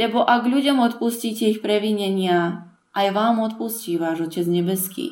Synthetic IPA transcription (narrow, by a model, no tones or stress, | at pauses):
lɛbɔʔaɡʎuɟɔmɔt̪pusciːcɛixpɾɛʋiɲɛɲɪa | ʔajʋaːmɔt̪pusciːʋaːʒɔcɛd͡zɲɛbɛskḭː